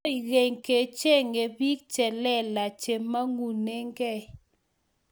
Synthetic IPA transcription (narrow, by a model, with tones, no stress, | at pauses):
i˨ɣe˨ŋke˨t͡ʃe˦˨ŋe˨bi˦k̚t͡ʃɛ˨lɛ˦˨la˨t͡ʃe˨mːa˦ŋu˨ne˦ŋɡɛ˦˨